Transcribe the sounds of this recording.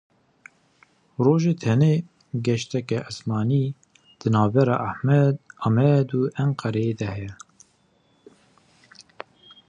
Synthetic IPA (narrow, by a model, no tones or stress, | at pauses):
roːʒet̪ʰɛneː | ɡɛʃt̪ɛkɛʔɨsmɑːniː | d̪̥ɨnɑːvbɛɾɑ̰ːʔahmɛɑmɛd̪uːʔɛɴqɑɾɛjed̪ɛhɛjɛ